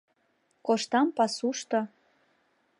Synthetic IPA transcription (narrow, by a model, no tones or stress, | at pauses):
koʃt̪ɑmpɑsuʃt̪o